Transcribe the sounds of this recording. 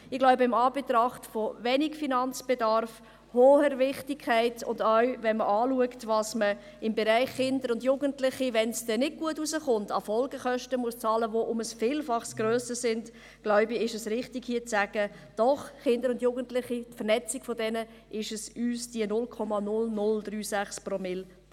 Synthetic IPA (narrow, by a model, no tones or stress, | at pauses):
ɪɡlaʊbəɪmɑːbetɾɑχtfovɛnikfinɑnt͡sb̥edɑɾf | hoːhəɾvɪχtikʰːæɪtʊ̰ndœɥvɛnməʔɑːluəktvɑsmə | ɪmbeɾæɪχːɪndəɾʊndjuːɡəntlɪχiʋɛnsd̥ɛnɪd̚ɡ̥uətuzəχʊntɑ̰fɔlɡəχœʃtəmuəst͡sɑːləʋoʔʊməsfiːlfɑχsɡ̥ɾøːsəsɪnd | ɡ̥lœʊbiɪʃəsɾɪχtɪkhiːət͡sæɡ̥ə | d̥ɔχχɪndəɾʊndjuːɡəntlɪχitfəɾnɛt͡sikfɔdɛnə | ʔɪʃəsyːsd̥iənʊlkʰɔmɑnʊlnʊldryːsæχsprɔmɪl